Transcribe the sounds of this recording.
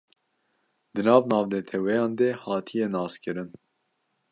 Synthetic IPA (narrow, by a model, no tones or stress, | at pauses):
d̪ɨnɑːvnɑːvnɛt̪ʰɛwɛjɑːnd̪ɛhɑːt̪ʰijɛnɑːskɨɾɨn